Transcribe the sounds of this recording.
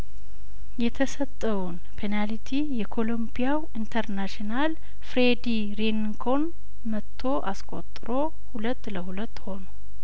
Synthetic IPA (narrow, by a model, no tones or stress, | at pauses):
jɛt̪ʰəsət̪ʼːəwun | pʰenalit̪ʰijɛkʰo̞lombijawint̪ʰəɾnaʃinal | fɾed̪i | ɾenŋkʰo̞n | mət̪ʰːo̞ʔaskʼo̞̰t̪ʼːɨɾo̞ | hulət̪ːləɦulət̪ːho̞nə